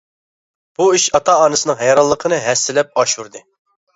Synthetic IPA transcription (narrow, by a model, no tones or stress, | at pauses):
b̥uiʃɑt̪ʰɑɑːnɨsɨnɨŋɦɛjɾɑlˠːəqʰənɨɦɛsːɪlɛp̚ɑʃuɾd̪ɨ